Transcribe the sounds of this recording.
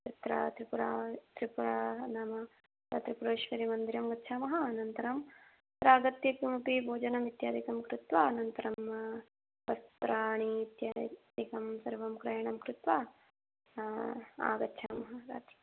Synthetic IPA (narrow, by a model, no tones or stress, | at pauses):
t͡ʃɐt̪ɾa̰ːt̪ɾipuɾaːt̪ɾipuɾaːnaːmɐ | ɐt̪ɾipuɾoːʃʋɐɾimɐnd̪iɾɐmɡɐtːʃʰaːmɐɦɐnɐnt̪ɐɾam | pɾaːɡɐt̪jɐpumɐpibʱoːd͡ʒɐnɐmit̪jaːd̪ikɐmkɾut̪ʋaːnɐnt̪ɐɾɐm | pɐst̪ɾaːɳiːt̪jaːd̪ikɐmsɐɾʋɐmkɾɐjɐɳɐmkɾut̪ʋaː | a̰ːɡɐtːʃʰaːmɐɦɐɾa̰ːt̪i̥